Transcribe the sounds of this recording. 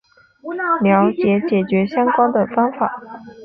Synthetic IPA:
ljɑ˧˥ʊt͡ɕjɛ˧˥t͡ɕjɛ˨˩t͡ɕɥɛ˧˥ɕjɑ˥ŋkwa˥nd̪ə˨fɑ˥ŋfa˨˩˦

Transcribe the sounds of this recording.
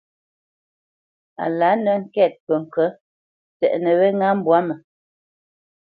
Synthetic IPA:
a̰˨la˨˦nə˦ŋ̩˦˨kɛ˦˨t̚pə˨ŋ̩˨kə˦ | tɛ̰˨ʔnə˨βɛ˦ŋa˦m̩˦bwa˨˦mə˨

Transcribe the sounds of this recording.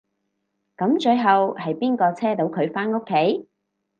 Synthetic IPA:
kɐ˨˧˥mt͡ʃɵ˧ɥɦɐ˨whɐ˨jpiː˥nkɔː˧t͡sʰɛː˥t̪o˨˧˥wkʰɵ˨˧ɥfaː˥no˥kʰːe˨˥j

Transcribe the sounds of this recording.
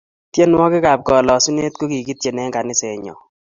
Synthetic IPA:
tje˦n˦wɔ˦kɪ˦ka˨p̚ɡɔ˨lɔ˨su˦ne˦t̚ko˦ki˨ki˦t̚t͡ʃe˨nɛ˦ŋɡa˨nɪ˦se˨ɲɔ̰˨

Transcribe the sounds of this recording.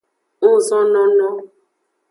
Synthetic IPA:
ʊ˦zɔ˦nɔ˦nɔ˦

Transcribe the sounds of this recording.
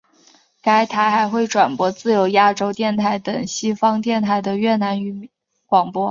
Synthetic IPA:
ka˥ɪt̪ʰa˧˥ɪxa˧˥ɪxwe˥˩ɪʈ͡ʂwa˨˩npwɔ˧˥t͡sɹ̩˥˩jo˧˥ʊja˥ʈ͡ʂo˥ʊt̪jɛ˥˧nt̪ʰa˥˩ɪt̪ɤ˨˩ŋɕi˥fɑ˥ŋt̪jɛ˥˧nt̪ʰa˥˩ɪd̪ə˩ɥɛ˥˩na˧˥ny˧˥ | kwɑ˨˩ŋpwɔ˥

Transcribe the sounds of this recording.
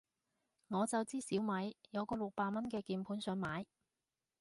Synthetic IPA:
ŋɔː˨˧t͡sɐ˨wt͡siː˥siː˨˥wmɐ˨˥jjɐ˨˧wkɔː˧lʊ˨k̚paː˧mɐ˥nkɛː˧kiː˨npʰuː˨˥nsœː˨˧ŋmaː˨˥j

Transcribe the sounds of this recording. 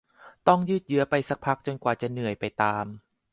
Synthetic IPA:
t̪ɔ˥˩ŋjɯː˥˩t̪̚jɯ˦˥ɐpa˧jsa˦˥k̚pʰa˦˥k̚t͡ɕo˧nkwaː˨˩t͡ɕa˨˩nɯ˨˩əjpa˧jt̪aː˧m

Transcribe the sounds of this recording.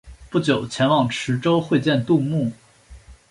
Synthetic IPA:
pu˥˩t͡ɕjo˨˩ʊt͡ɕʰjɛ˧˥nwɑ˨˩ŋʈ͡ʂʰɻ̩˧˥ʈ͡ʂo˥ʊxwe˥˧ɪt͡ɕjɛ˥˧nt̪u˥˧mu˥˩

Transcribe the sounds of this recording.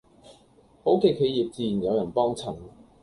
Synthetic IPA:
ho˨˥wke˨˧jkʰe˨˧jiː˨p̚t͡siː˧ji˨˩njɐ˨˧wjɐ˨˩npɔː˥ŋt͡sʰɐ˨˩ŋ

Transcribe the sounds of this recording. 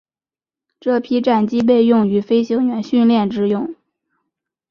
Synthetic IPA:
ʈ͡ʂɤ˥˩pʰi˥ʈ͡ʂa˥˩nt͡ɕi˥p̬e˥˧ɪjʊ˥˩ŋy˧˥fe˥ɪɕjɤ˧˥ɥɛ˧˥nɕy˥˧nljɛ˥˧nʈ͡ʂɻ̩˥jʊ˥˩ŋ

